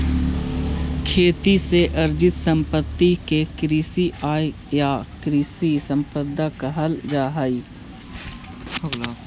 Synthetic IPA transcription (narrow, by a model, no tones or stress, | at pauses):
kʰeːt̪iseʔɐɾd͡ʒɪt̪sə̃mpət̪ːikekɾiːsiʔaːe | jaːkɾiːsisə̃mpəd̪akaɦəld͡ʒaːɦai